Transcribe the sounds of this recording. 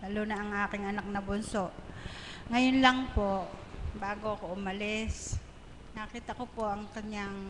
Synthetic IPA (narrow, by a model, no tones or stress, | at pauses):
lalonɐʔɐŋʔaːkɪŋɐnak̚nɐbʊnsoʔ | ŋɐjonlɐŋpoʔbaːɡoʔɐkoʔʊmɐlɪs | nɐkiːt̪ɐkopoʔɐŋkɐɲːaŋ